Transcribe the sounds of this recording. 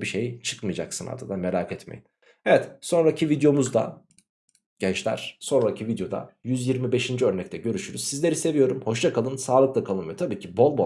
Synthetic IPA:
biʃejt͡ʃʰɯ̥kmɯjd͡ʒa̰ksɯna̰ɾd̪ʰad̪anme̞ɾaːkʰɛt̪mḛjin | evɛt̪so̞nɾacʰivid̪jo̞muzd̪a̰ | ɟ̥ɛnt͡ʃlʲæ̰ɾ̥so̞nɾacʰivid̪jo̞d̪a̰jyzjiɾmibe̞ʃind͡ʒiø̞ɾnɛc̚t̪ʰɛɟø̞ɾyʃyɾyz̥sizlʲe̞ɾise̞vijo̞ɾumho̞ʃt͡ʃ̪akʰalˠɯnsaːlˠɯk̚lˠakʰalˠɯmɯjo̞t̪ʰabiːcʰibo̞lˠbo

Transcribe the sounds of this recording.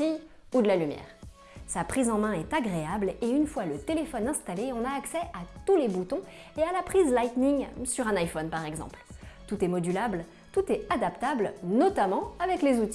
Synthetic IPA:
i | ud̪əlalymjɛ̰ːʁ | sapχizɑ̃mɛ̃ɛt̪aɡʁeableynfwalət̪elefɔnɛ̃st̪aleɔ̃naːksɛʔat̪ulebut̪ɔ̃ | ealapχizlajt̪niŋsyʁɛ̃najfɔnpaʁɛɡzɑ̰̃plt̪ut̪ɛmɔd̪ylabl | t̪ut̪ɛad̪apt̪ablnɔt̪amɑ̃avɛklezut̪i̥

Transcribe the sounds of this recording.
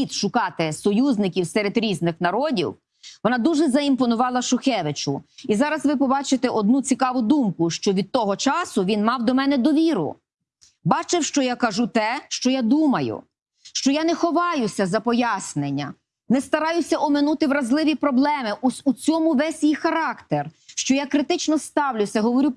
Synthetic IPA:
it̪ʃʊkɑt̪ɪsɔjuznɪkʲiwsɛɾed̪ɾʲiznɪxnɐɾɔdʲḭw | ʋɔnɑd̪uʒɛzɐimpɔnʊʋɑlˠɐʃʊxɛʋɪt͡ʃʊizɑɾɐzʋɪpɔbɑt͡ʃɪt̪ɛʔɔd̪nut͡sʲikɑʋʊd̪umkʊʃt͡ʃɔʋʲid̪̚t̪ɔɦɔt͡ʃɑsʊʋʲinmɑwd̪ɔmɛnɛd̪ɔʋʲiɾʊ̰ | bɑt͡ʃɪwʃt͡ʃɔjakɐʒut̪ɛʃt͡ʃɔjad̪umɐjʊ̰ | ʃt͡ʃɔjanɛxɔʋɑjʊsʲɐzɐpɔjasnenʲːɐ | nɛst̪ɐɾɑjʊsʲɐʔɔmɪnut̪ɪʋɾɐzlˠɪʋʲipɾɔblˠɛmɪʔʊsʊt͡sʲɔmʊʋɛsʲjixɐɾɑkt̪erʃt͡ʃɔjakɾɪt̪ɪt͡ʃnɔst̪ɑwlʲʊsʲɐɦɔʋɔɾʲu

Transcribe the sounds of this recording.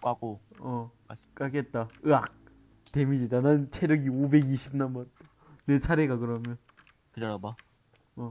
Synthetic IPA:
k͈aɡoʌ | k͈aket̚t͈aɯak̚ | te̞mid͡ʑidanɯnt͡ɕʰeɾjʌɡiobe̞ɡiɕʰip̚nanbat͈a | net͡ɕʰaɾeɡakɯɾʌmjʌn | kɯdʌɾaba | ʌ

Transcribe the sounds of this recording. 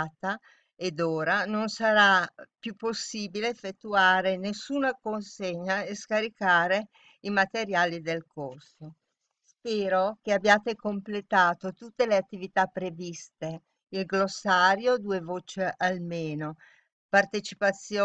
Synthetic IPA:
t̪a | ed̪oːɾanonsaɾapjupːosːiːbileːfːet̪ːuaːɾenesːuːnakonseɲːaeskaɾikaːɾe | imat̪eɾjaːlid̪elkorso | spɛːɾokeabːjaːt̪ekomplet̪aːt̪ot̪ut̪ːeleat̪ːivit̪apːɾevist̪e | ilɡlosːaːɾjod̪uːevoːt͡ʃealmeːno | part̪et͡ʃipat̪sːjo

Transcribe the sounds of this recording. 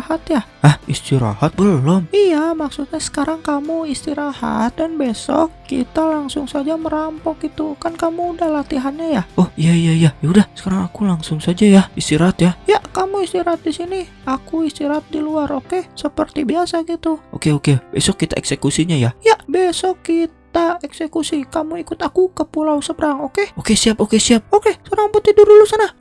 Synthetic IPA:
hat̪ja | ahist̪iɾa̰hat̪̚bəlɔmijamaksut̪̚ɲasə̥kaɾaŋkamuist̪iɾaha̰t̪̚danbesɔ̰kːḭt̪alaŋsʊŋsad͡ʒaməɾampɔk̚it̪ukankamuːdahlat̪iɦanɲajaʔɔhijaijaijajaudahsə̥kaɾaŋakulaŋsʊŋsad͡ʒajaist̪iɾaɦat̪jajakamuist̪iɾat̪̚disini | akuist̪iɾat̪̚diluaɾokesəpərt̪ibiasaɡit̪uo̰keokebesɔkːit̪a̰ɛ̰ksekusiɲajajaʔbesɔkːit̪aɛksekusikamuikʊt̪akukəpulausəbəɾaŋokeokesiapokesiap̚okesəɾampɔt̪idurdulusana

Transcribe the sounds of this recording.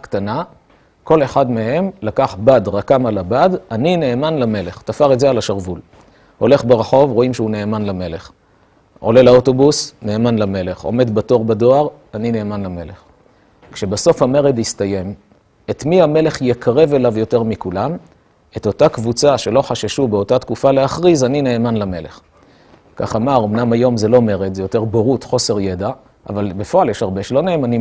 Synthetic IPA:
ktana | ko̞le̞χadme̞ɦe̞mlakaχbadʁakamalabadanine̞ːmanlame̞le̞χt̪afaʁetzealaʃaʁvul | ho̞le̞χbeʁaχo̞vʁo̞imʃeune̞ːmanlame̞le̞χ | o̞̰le̞laoto̞busne̞ːmanlame̞le̞χo̞̰me̞d̪bato̞ʁbado̞aʁ | anine̞ːmanlame̞leχ | kʃebaso̞fhame̞ʁedistajem | et̪miame̞le̞χjekaʁe̞ve̞lavjo̞te̞ʁmikulam | e̞to̞takvut͡saʃe̞lo̞χaʃeʃube̞o̞tat̪kufaleaχʁizanine̞ːmanlame̞leχ | ka̰χamaʁo̞mnamajo̞mzelo̞me̞ʁed̪zejo̞teʁbeʁutχo̞se̞ʁjeda | ʔa̰valbefo̞aljeʃaʁbeʃelo̞neːmani

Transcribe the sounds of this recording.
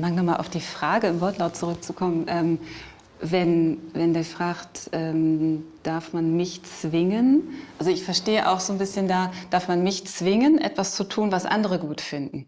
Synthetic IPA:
maŋnɔmaːlʔaʊd̥iːfʁ̥aːɡəɪmvɔɐtlaʊt̚t͡suʁʏk̚t͡sukʰɔmənʔɛːm | vɛnvɛndeːɐfʁ̥aːχtʔɛːmd̥aɐfmanmɪçt͡sv̥ɪŋənʔalzoɪçfɛɐʃteːəʔa̰ʊxz̥oːnbɪsçəndaːd̥aɐfmanmɪçt͡sv̥ɪŋənʔɛ̰tv̥ast͡sutʰuːnvasʔa̰ndəʁəɡuːtfɪndn̩

